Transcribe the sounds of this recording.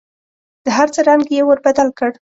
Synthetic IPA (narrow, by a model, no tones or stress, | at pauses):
d̪̥əɦaɾt͡səɾɑŋɡjewəɾbad̪alkəɽ